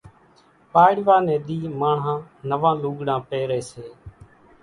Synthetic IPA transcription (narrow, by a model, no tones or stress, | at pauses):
paːɽʋaːnẽːɗ̪iːmaːɳãːnəʋãːluːɠɽãːpeːɾeːseː